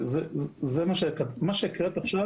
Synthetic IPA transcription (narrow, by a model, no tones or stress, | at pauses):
zezemaʃekamaʃekʁet̪aχʃa